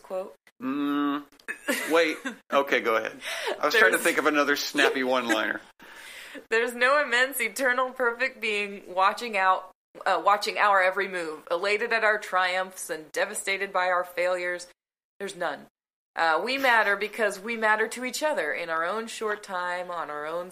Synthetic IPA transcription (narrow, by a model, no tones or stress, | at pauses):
kʰw̥oʊt̚ | m̩ | weɪt̚ʔoʊkʰeɪɡoʊəhɛ̰d̥̚aɪwʌ̥ztɹaɪ̃ŋtʰɨθɪ̃ŋkʌvɨnʌðə˞snæpiwʌ̃nlãɪ̃nə̰˞ | ðə˞znoʊɨmɛ̃nsɨtʰɜ̃˞nl̩ˠpʰɜ˞fɪk̚t̚b̥iɪ̃ŋwɑt͡ʃɪ̃ŋaʊt̚ | ʌwɑt͡ʃɪ̃ŋʔa̰ʊə˞ɛvɹimʉvɪleɪɾɨɾɨɾaʊə˞tʰɹ̥aɪʌ̃ɱfsɨ̃ndɛvɨsteɪɾɨd̚baɪaʊə˞feɪlˠjə˞z | ðə˞znʌ̃n | ʔʌwimæɾə˞bɨkʰʌzwimæɾə˞ɾɨit͡ʃʌðə˞ʔɪ̃naʊə˞õʊ̃nʃɔɹtʰãɪ̃mə̃nə˞õʊ̃n